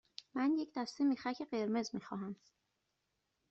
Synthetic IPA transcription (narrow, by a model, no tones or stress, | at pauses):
mænje̞cʰd̪æst̪emiːxæcʰeɢe̞ɾme̞zmiːxɒːɦæm